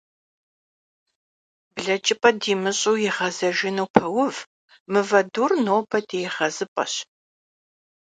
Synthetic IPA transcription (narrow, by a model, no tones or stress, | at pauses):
bɮɐt͡ʃʼɪpʼɐdiːmɨɕʼʊwjɪʁɐzɐʒɪnuwpʰɐwʊv | mɨvɐduːrnoːbʰɐdʰʼejɪʁɐzɨpʼɐ̰ɕ